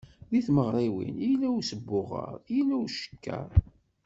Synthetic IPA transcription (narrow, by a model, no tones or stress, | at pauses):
ðiθməʁɾˤiwḭnilæwsəbːʊʁə̰ɾˤilæwʃə̥kːæ̰ɾˤ